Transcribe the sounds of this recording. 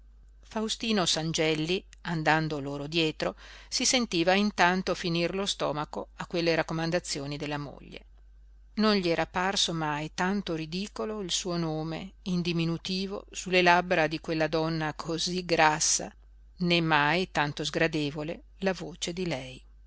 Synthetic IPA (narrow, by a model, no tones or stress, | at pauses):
fawst̪iːnosand͡ʒɛlːi | and̪and̪oloːɾod̪jɛːt̪ɾosisent̪iːvaint̪ant̪ofinirlost̪ɔːmakoakːwelːeɾakːomand̪at̪sːjoːnid̪elːamo̰ʎːḛ | nonʎiɛːɾaparsomajt̪ant̪oɾid̪iːkoloilsuːonoːmḛind̪iminut̪iːvo̰sulːelabɾad̪ikwelːad̪ɔnːakʰoziɡɾasːa̰ | nemːajt̪ant̪ozɡɾad̪eːvole | lavoːt͡ʃed̪ilɛj